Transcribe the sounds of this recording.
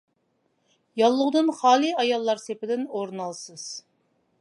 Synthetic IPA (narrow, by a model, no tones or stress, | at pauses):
jɑlˠːʊʁd̪ɨnχɑːlˠiɑjɑlˠːɑɾsepɪd̪ɪnoɾnɑlˠsɨz̥